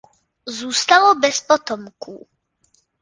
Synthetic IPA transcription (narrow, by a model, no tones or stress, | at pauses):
zuːst̪alobɛspot̪omkṵː